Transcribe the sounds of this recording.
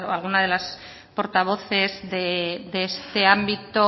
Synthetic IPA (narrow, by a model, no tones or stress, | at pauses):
oalɣ̞unaðe̞las | po̞ɾt̪aβ̞o̞θe̞zðeðeest̪e̞ambit̪o